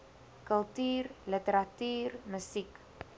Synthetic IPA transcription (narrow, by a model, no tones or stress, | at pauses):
kəlˠtyːrlətəɾatyːrməsik